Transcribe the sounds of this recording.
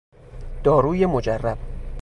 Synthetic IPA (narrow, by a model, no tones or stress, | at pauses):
d̪̥ɒːɾuːjemod͡ʒærːæb̥̚